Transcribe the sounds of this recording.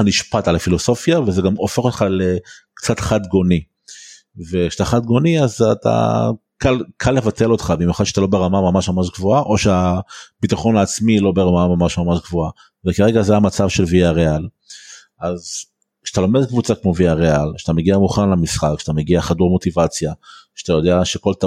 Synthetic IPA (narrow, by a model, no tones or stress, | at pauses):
niʃpatalafilo̞so̞fjavezeɡamofe̞χo̞t̪χalekt͡satχad̪ɡo̞ni | vekʃeat̪aχad̪̚ɡo̞niazat̪a̰ | kalkʰalːe̞vate̞lo̞t̪χabimjuχad̪ʃeat̪alo̞beʁamamamaʃmamaʃɡvoaʔo̞ʃeab̥itaχo̞naːt͡smilo̞beʁamamamaʃmamaʃɡvoa | vekeʁeɡazeamat͡savʃe̞lviaʁeal | ʔaz | kʃat̪alo̞medkvut͡sakmo̞viaʁealʃeat̪ameɡiamuχanalamisχakkʃeat̪ameɡiaχaduʁmo̞tivat͡sjaʃe̥at̪ajo̞d̪eaʃeko̞lt̪a